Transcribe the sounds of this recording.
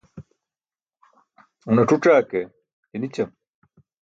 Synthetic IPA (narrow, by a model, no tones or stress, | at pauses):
unɐʈ͡ʂuʈ͡ʂaːke | tenit͡ɕɐm